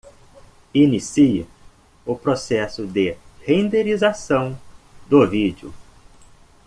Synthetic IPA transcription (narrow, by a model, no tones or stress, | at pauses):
inisiɪ | ʊpɾosɛsʊd̪ɪhẽnd̪eɾizasɐ̃w̃d̪ʊvid͡ʒjʊ̰